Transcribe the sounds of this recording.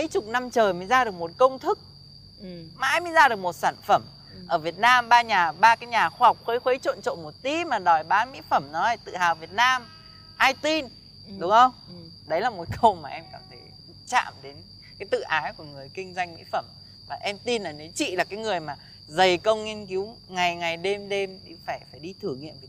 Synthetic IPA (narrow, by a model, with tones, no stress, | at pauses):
mə˨˦jt͡ɕʊ˨˩k͡p̚na˧mt͡ɕəː˨˩jməː˨˦jzaː˧ɗək̚mo˨˩t̚kə˧wŋ͡mt̪ʰɨ˦˥k̚ | ma̰ː˧˥jmə˨˦jzaː˧ɗɨ˨˩ək̚mo˨˩t̚saː˧˩nfə˧˩m | ʔəː˧˩vi˨˩ət̚naː˧mɓaː˧ɲaː˨˩ɓaː˧kaː˨˦jɲaː˨˩xwaː˧ha˨˩wk͡p̚xwə˨˦jxwe˨˦jt͡ɕo̰˧˨nt͡ɕo̰˧˨mo˨˩t̚t̪i˨˦maː˨˩ɗɔ˨˩jɓaː˨˦mḭ˧˥fə˧˩mnɔ˨˦ə˧˩jt̪ɨ̰˧˨haː˨˩wvi˨˩ət̚naː˧m | ʔaː˧jt̪i˧n | ɗʊ˨˦ŋ͡mhə˧wŋ͡m | ɗə˨˦jlaː˨˩mo˨˦t̚kʰə˧wmaː˨˩ʔɛ˧mkaː˧˩t̪ʰe˧˩j̰t͡ɕa̰ː˧˨mɗe˨˦n | kaː˨˦jt̪ɨ̰˧˨ʔaː˨˦jku˧˩əŋɨ˨˩əjkï˧ŋ̟zwa˧jŋ̟mḭ˧˥fə˧˩m | vaː˨˩ʔɛ˧mt̪i˧nlaː˨˩ne˨˦t͡ɕḭ˧˨laː˨˩kaː˨˦jŋɨ˨˩əjmaː˨˩ | zə˨˩jkə˧wŋ͡mŋi˧nki˨˦w | ŋa˨˩jŋa˨˩jɗe˧mɗe˧mɗḭ˧˩faː˧˩jfaː˧˩jɗi˧t̪ʰɨ˧˩əŋːḭ˧˨ənvi˨˩˨